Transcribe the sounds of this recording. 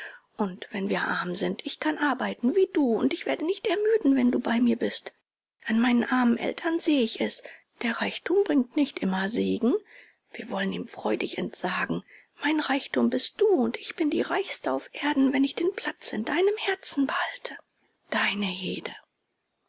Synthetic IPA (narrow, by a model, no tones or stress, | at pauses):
ʔʊntv̥ɛnviːɐʔa̰ɐmzɪntɪçkʰanʔaɐbaɪtn̩viːduːʊntɪçv̥eːɐdənɪçtɛɐmyːdn̩vɛnduːbaɪmiːɐbɪst | ʔanmaɪnənʔaɐmənʔɛ̰ltʰɐnzeːəɪçɛs | d̥eːɐʁaɪçtʰuːmbʁɪŋk̚tnɪçtʔɪmɐzeːɡŋ̩ | v̥iːɐvɔləniːmfʁ̥ɔʏdɪçɛ̰ntz̥aːɡŋ̩ | maɪnʁaɪçtuːmbɪst̚d̥uːʊntɪçb̥ɪndiːʁaɪçstəaʊfʔeːɐdn̩vɛnɪçd̥eːnpʰl̥at͡sɪndaɪnəmhɛɐt͡sn̩bəhaltʰə | d̥aɪnəheːdə